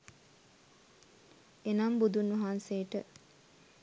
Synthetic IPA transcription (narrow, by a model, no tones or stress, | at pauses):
enambud̪unʋɐɦansejəʈə